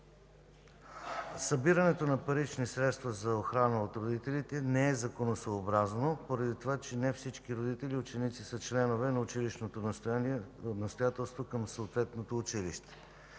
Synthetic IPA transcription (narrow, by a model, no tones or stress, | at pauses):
sɐbiɾɐnɛt̪onɐpɐɾit͡ʃnisɾɛt̪st̪vɐzɐoxɾanəot̪ɾod̪it̪ɛlit̪ɛnɛɛzɐkonosoːbɾaznopoɾɐd̪it̪ovat͡ʃɛnɛfsit͡ʃkiɾod̪it̪ɛliʊt͡ʃɛnit̪sisət͡ʃlɛnovɛnɐʊt͡ʃiliʃnot̪ost̪aiɛnɐst̪ojat̪ɛlˠst̪vokəmsoːt̪vɛt̪not̪oːt͡ʃiliʃt̪ɛ̥